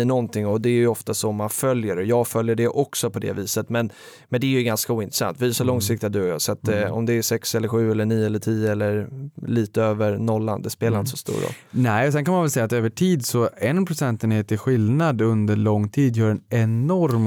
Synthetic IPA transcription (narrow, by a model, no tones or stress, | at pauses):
əɳɔnt̪ʰɪŋɔd̪ɛːɾjʏɔft̪asɔmːanfœljəɾɔjɑːɡfœljəɖɛʔɔksɔpʰɔd̪ɛ̰viːsət̪mɛn | mɛnd̪ɛæɾjɵɡanskauːɪnt̪ɾɛsa̰nt̪viːsɔlɔŋsɪk̚t̪ɪad̪ɵɔjɑ̰ːsat̪ɔ̰md̪ɛæʂɛksɛlːəɾɧʉ̟ːɛlːəɳiːəɛləʈʰiːjəɛlːəɾliːt̪əøːvəɾnɔlːa̰nd̪ɛspeːlaɾɪnt̪əsɔst̪ṵːɾɔ̰lnɛɪɔsɛnkʰanmanvɛlsɛjːat̪øːvəʈʰiːd̪sɔɛnpʰɾʊsɛnt̪ɛneːt̪ɪɧɪlnad̪ɵnd̪əɭɔŋːt̪ʰiːd̪jœːɾɛnɛnɔɾm